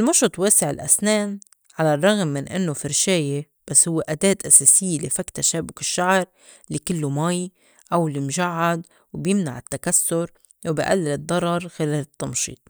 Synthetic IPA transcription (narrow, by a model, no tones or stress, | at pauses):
ʔɪlmʊʃɑt̪ˤweːsɪʕɪlʔa̰sneːn | ʕalarˤːɑɣmːɪnʔɪ̰nːofɪɾʃeːje | b̥asːhʊwːeʔad̪eːt̪ʔaseːsɪjːelifakt̪aʃaːbʊkɪʃːaʕɾˤ | likɪlːomaːj | ʔawlimʒaʕːad̪ | wbjɪmna̰ʕɪt̪ːakasːʊɾ | wbjʔa̰lːɪlɨd̪ˤːɑɾˤɑɾˤxɪleːlɪt̪ːɑmʃḭːt̪̚ˤ